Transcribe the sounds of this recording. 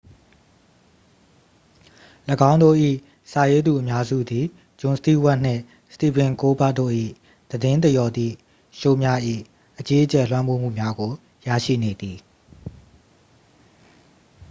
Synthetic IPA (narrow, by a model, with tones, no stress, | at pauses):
ləɡã˦ʊ̃ndo̰˦˨ʔḭ˦˨ | sa˨je˦d̪u˨ʔəmja˦zṵ˦˨d̪i˨ | d͡ʑʊ̃˨nsət̪i˦˨wa˦ʔn̥ɪ̰̃˦˨ | st̪i˨bɪ̃˨ŋko˦ba˦ʔtːo̰˦˨ʔḭ˦˨ | d̪̥ədɪ̃˦nt̪əjɔ˨d̪ḭ˦˨ | ʃo˦˨mja˦ʔḭ˦˨ | ʔət͡ɕe˦ʔət͡ɕɛ˨lwã˦mbo˦˨m̥ṵ˦˨mja˦ɡo˨ | ja̰˦˨ʃḭ˦˨ne˨d̪i˨